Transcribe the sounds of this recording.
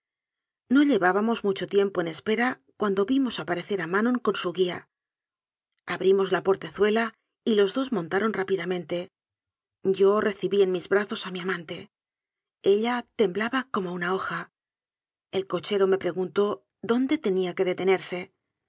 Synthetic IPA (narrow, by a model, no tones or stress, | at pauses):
no̞ʎe̞βaβamo̞zmut͡ʃo̞t̪je̞mpo̞ene̞spe̞ɾakwand̪o̞βimo̞sapaɾe̞θe̞ɾamanõ̞ŋko̞nsuɣia | aβɾimo̞zlapo̞ɾt̪e̞θwe̞la | ilo̞zðo̞zmo̞nt̪aɾo̞nrapiðamẽ̞nt̪e̞ | ɟ͡ʝo̞re̞θiβie̞nmizβɾaθo̞samiamãnt̪e̞ | e̞ʎat̪e̞mblaβako̞mounao̞xa | e̞lko̞t͡ʃe̞ɾo̞me̞pɾe̞ɣunt̪o̞ | ðo̞nd̪e̞t̪e̞niake̞ðe̞t̪e̞ne̞ɾse̞